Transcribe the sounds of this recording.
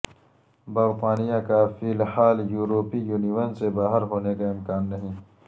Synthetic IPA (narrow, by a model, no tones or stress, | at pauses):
bɐɾqaːnijãkafiːlħaːljuːɾoːpijuːniwɐnsebaːɦɪɾɦoːnekaɪmkaːnːɐɦĩː